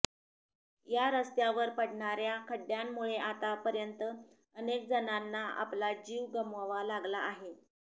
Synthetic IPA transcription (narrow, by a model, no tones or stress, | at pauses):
jaɾəst̪jaʋəɾpəɽɳaɾjakʰəɖjamːuɭeʔat̪apəɾjənt̪ə | ənekd͡zənanːaa̰plad͡ʑiʋɡəməʋalaɡlaːɦe